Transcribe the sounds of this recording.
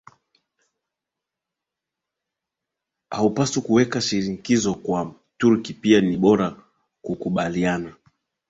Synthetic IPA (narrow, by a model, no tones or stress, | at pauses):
a̰upasukuwɛkaʃiɾiŋikizɔkwa | tuɾkipianiɓɔɾa | kukuɓaliana